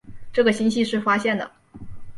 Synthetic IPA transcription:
ʈ͡ʂɤ˥˩ɡə˩ɕi˥nɕi˥˧ʂɻ̩˥˩fa˥ɕjɛ˥˩nd̪ə̰˩

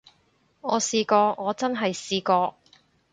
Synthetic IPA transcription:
ŋɔː˨˧siː˧kɔː˧ŋɔː˨˧t͡sɐ˥nɦɐ˨jsiː˧kɔː˧

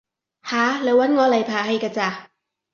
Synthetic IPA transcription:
haː˨˦lɛː˨˧˥wa˨˥nŋɔː˨˧la˨˩jpʰaː˨˩ha˧jkaː˧t͡saː˧

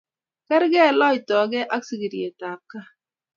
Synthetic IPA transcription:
kɛ˦ɾɡɛ˦˨lɔ˦i˨tɔ˨˦ɡɛ˦ʔa˦ksi˨ɡi˨ɾi˨e˨ta˨p̚ka˦

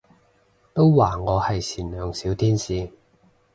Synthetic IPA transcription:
t̪o˥wwaː˨˩ŋɔː˨˧hɐ˨jsʰiː˨˩nlœː˨˧ŋsiː˨˥wt̪ʰiː˥nsiː˨˧

